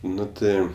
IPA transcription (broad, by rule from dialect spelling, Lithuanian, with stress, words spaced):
ˈnʊ ˈtɜ